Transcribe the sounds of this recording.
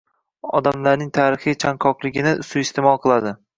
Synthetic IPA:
ɒ̰d̪amlaɾnɪŋt̪ʰaːɾɪχijt͡ʃʰaŋkʰɒqlˠɪɡʲɪnɪʔʊsʊɪst̪ʰemɒlˠqʰɨlˠad̪ɪ

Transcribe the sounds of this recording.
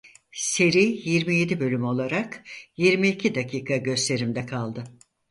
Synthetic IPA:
se̞ɾiːjiɾmije̞d̪ibø̞lʲymo̞lˠaɾakjiɾmiicʰid̪acʰiːkʰaɟø̞st̪ʰe̞ɾimd̪ɛkʰalˠd̪ɯ

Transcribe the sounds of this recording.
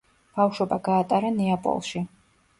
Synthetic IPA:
b̥awʃwɔbaɡaːt̪ʼaɾanɛapʼɔ̰lˠʃi

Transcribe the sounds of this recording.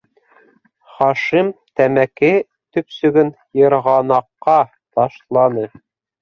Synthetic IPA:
χɑʃimt̪æmækɘ | t̪ɵ̆psɵ̆ɡɵn | jɤ̆ɾʁɑnɑqːɑ | t̪ɑʃlˠɑnɤ

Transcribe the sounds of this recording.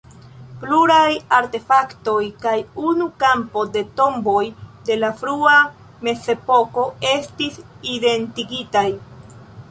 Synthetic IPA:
pluɾajaɾte̞fakto̞jkajunukampo̞de̞to̞mbo̞jde̞lafɾua | me̞se̞po̞ko̞e̞stiside̞ntiɡitaj

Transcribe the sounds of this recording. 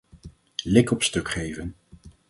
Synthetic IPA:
lɪkɔpstɵkχejvən

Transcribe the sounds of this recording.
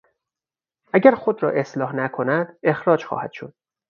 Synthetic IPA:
ʔæɟæɾxod̪ɾɒ̰ːʔe̞slɒːhnækʰonæd̪̥e̞xɾɒːd͡ʒxɒ̰ːhæd̪̥ʃo̞̰d̪̥̚

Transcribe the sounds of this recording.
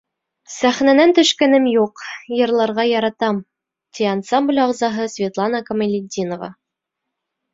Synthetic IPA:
sæχnænænt̪ɵ̆ʃkænɘmjuqjɤ̆ɾlˠɑɾʁɑjɑɾɑt̪ɑm | t̪ʲiɑnsɑmblʲɑʁzɑɦɤsvʲet̪lˠɑnɑkɐmɪlʲɪd̪ʲinovɑ̰

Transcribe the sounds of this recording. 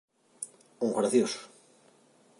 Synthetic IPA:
uŋɣɾaθjosʊ̥

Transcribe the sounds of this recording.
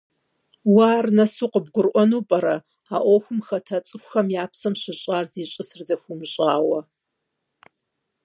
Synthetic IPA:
waːrnɐsuːqəbɡʷʊrʔʷɔnuːpʼɐɾɐ | aːʔʷɔxʷʊmxɐtʰɐt͡sʼɨxʷxɐmjaːpsɐmɕɪɕʼaːrziːɕʼɨsɨrzɐxʷumɕʼaːwɐ

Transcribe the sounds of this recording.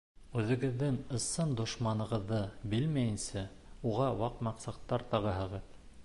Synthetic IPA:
ʉðɘ̆ɡɘ̆ðːɘŋɤ̆sɤnd̪ŏʃmɑnɤ̆ʁɤ̆ðːɤbɘlmæjɘ̆nsæ | uʁɑwɑqmɑqsɑt̪ːɑɾt̪ɑʁɤɦɤ̆ʁɤð

